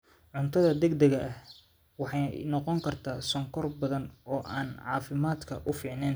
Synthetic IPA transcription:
ʕʊnt̪ʰɐðɐd̪ɛɡd̪ɛɣɐʔɐh | wɑħɑjnɔqɔŋkʰɐrt̪ʰaːsɔŋkʰɔrbɐðɐnɔːʔaːnʕɑ̰ːfɪmaːd̪kʰɐʔʊfiːʕnɛːn

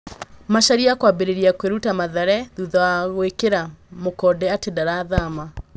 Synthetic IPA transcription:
maʃaɾiakwabeɾeɾiakweɾutamaðɛɾɛðuðaaɣwekeɾamokɔːdɛatedaɾaðama

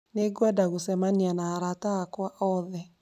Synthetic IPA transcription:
neɡwadaɣosɛmanianaːɾataːkwaʔɔðɛ

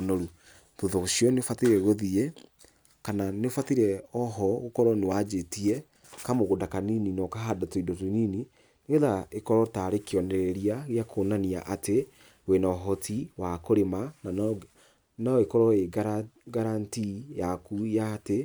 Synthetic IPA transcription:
noɾu | toðɔɣoʃiɔneofatiɾɛɣoðiɛ | kananeofatiɾɛɔɦɔɣokɔɾɔnewad͡ʒetiɛ | kamoɣodakanininɔkaɦadatoidotonini | neðaekɔɾɔtaɾekiɔnɛɾɛɾiaɣeakʰonaniaʔate | ɣwenaɔɦɔtʰiwakoɾemana | naekɔɾɔeɡɾ | ɡaɾantijakujate

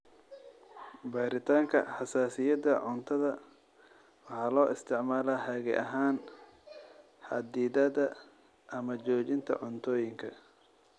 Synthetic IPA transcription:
baːɾɪt̪ʰaːŋkʰɐ̰ħɑsaːsɪjɐd̪ɐʕʊnt̪ʰɐðɐ | wɑħɑːlɔːʔɪst̪ʰɪʕmaːlaːhɐɣɛ̰ʔɐɦaːn | ħɑ̰d̪iːðɐðɐ | ʔɐmɐt͡ʃɔːt͡ʃɪnt̪ʰɐ̰ʕʊnt̪ʰɔːjɪŋkʰɐ

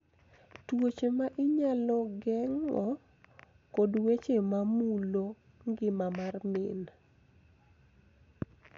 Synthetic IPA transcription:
twot͡ʃemaʔɪɲalɔɡɛŋɔ | kodwet͡ʃemamulo | ŋɡɪmamarmɪn

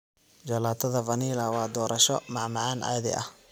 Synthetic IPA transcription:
d͡ʒɐlaːt̪ʰɐðɐvɐniːlɐwɑːd̪ɔːɾʔɐʃɔmɑʕmɑʕɑːnʔa̰ːðɪ̰ʔɐ̰h

